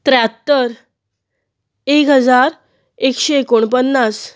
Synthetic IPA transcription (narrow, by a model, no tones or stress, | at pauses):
t̪ɾat̪ːəɾ | ekɦəd͡zaɾ | ekɕeekoɳpənːas